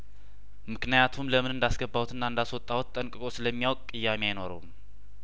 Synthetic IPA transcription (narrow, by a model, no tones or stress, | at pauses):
mɨknijat̪ʰumləmɨnɨnd̪asɡəbːawut̪ʰɨnːaɨnd̪aswɔt̪ʼːawt̪ʼːəŋkʼɨkʼo̞sɨləmːijawɔkʼkʼɨjːameajno̞ɾə̰wum